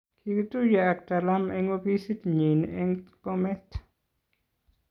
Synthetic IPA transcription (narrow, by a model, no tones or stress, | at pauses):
kʰikut̪ujak̚talamɛŋobisitɲinɛŋkɔmɛt